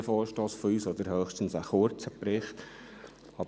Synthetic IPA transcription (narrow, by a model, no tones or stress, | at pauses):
əfɔːɾʃtoːsfɔyːsɔd̪əɾhœːχʃtən̩səχʊɾt͡səpɾɪχt | ɑb